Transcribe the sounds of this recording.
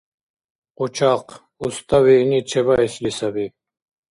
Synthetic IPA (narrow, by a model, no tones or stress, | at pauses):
qut͡ʃʰaq | ust̪awinit͡ʃʰebaislisabi